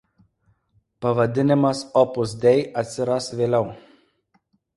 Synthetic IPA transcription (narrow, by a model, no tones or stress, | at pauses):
pɐʋɐd̪ʲɪnʲɪmɐsɔpʊzd̪ʲɛɪɐt̪ʲsʲɪɾɐsʋʲeːlʲɛʊ